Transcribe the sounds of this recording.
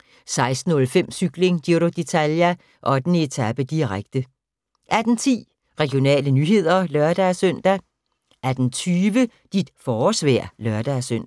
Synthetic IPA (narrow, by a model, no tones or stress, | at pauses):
sɑ̈ɪsd̥n̩ɔ̽lfem̰syɡ̥le̝ŋd̥iɾod̥e̝t͡sʰæljæ | ʔɒ̽d̥ene̝t͡sʰæb̥əd̥iʁaɡ̥̚d̥ə | ʔæɐd̥n̩t͡sʰḭː | ʁɛɡ̥jo̝nɛ̰ːlənyːɦe̝ð̞̰ˠɐlœɐd̥æsøn̰d̥æ | ʔæɐd̥n̩t͡sʰyːʋə | d̥id̥fɒːsʋɛ̰ɐ̰lœɐd̥æsøn̰